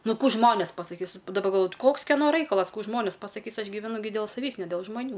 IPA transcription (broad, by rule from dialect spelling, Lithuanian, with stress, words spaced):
ˈnʊ ˈkuː ˈʒmoːnʲeːs pɐsɐˈkʲiːs dɐˈbɐ ɡɐlˠˈʋoːjʊ ˈkoːks kʲɛˈnoː ˈrɐɪkɐlˠɐs ˈkuː ˈʒmoːnʲeːs pɐsɐˈkʲiːs ˈɐʃ ɡʲiːʋʲɛˈnʊ dʲeːlˠ sɐˈʋʲiːs nʲɛ dʲɛlˠ ʒmɐˈnʲuː